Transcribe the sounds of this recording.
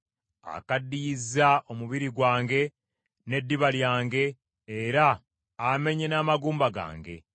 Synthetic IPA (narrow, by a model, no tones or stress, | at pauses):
a̰kadːiːzao̞muβiɾiɡwaːŋɡe̞ | ne̞dːiβaljaːŋɡe̞ː | ɾaː | me̞ɲe̞naːmaɡuːmbaɡa̰ːŋɡe̞̰